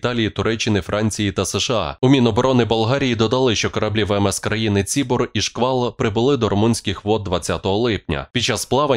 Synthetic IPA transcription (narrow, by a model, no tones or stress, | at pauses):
t̪ɑlʲijit̪ʊɾɛt͡ʃːɪnɪfɾʔɑnʲt͡sʲijit̪ɐseʃeɑ̰ʊmʲinɔbɔɾɔnɪbɐlˠɦɑɾʲijid̪ɔd̪ɐlˠɪʃt͡ʃɔkɔɾɐblʲiʋɛɛmɛskɾɐjinɪt͡sʲibɔriʃkʋɑlˠpɾɪbʊlˠɪd̪ɔɾɔmunʲsʲkʲɪxʋɔd̪̚d̪ʋɐt͡sʲːat̪ɔɦɔlˠɪpnʲɐ̰pʲit͡ʃɑsplˠɑʋɐ